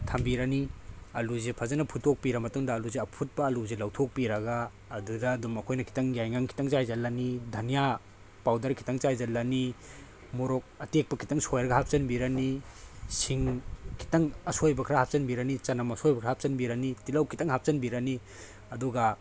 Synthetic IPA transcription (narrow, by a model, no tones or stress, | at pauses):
tʰambiɾaniɐluzepʰazanɐpʰutːok̚piɾɐmɐtuŋdɐːluzeɐpʰut̚bɐːluzelawtʰok̚piɾɐɡaː | dudɐːdumɐkʰojnɐkʰi̥taŋjajŋaŋkʰi̥taŋt͡ʃajzɐlːanidʱɐnija | pawdɐɾkʰi̥taŋt͡ʃajzalːani | moɾok̚ɐtek̚pɐkʰi̥taŋsojɾɡɐhap̚t͡ʃɐnbiɾanisiŋkʰi̥taŋɐsojbɐkʰɾahap̚sɐnbiɾanit͡ʃɐnamɐsojbɐkʰɾahap̚sɐnbiɾanitilawkʰitaŋɦap̚sɐnbiɾani | ɐduɡa